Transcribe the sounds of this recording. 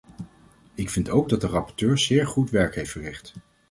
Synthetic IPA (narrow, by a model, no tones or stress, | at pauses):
ɪkfɪntowɡ̚dɑt̚dərɑpɔɹtøːɹz̥ɪːɹχutʋɛɹkɦejftfərɪχt